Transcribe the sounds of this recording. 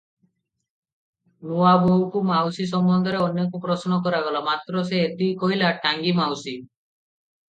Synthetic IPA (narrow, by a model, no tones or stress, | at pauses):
nuabowkumawsis̬ɔmbɔnd̪ʱɔɾeɔnjekupɾɔsnɔkɔɾaɡɔlamat̪ɾɔseet̪ikoɦilaʈʰaŋɡimawsi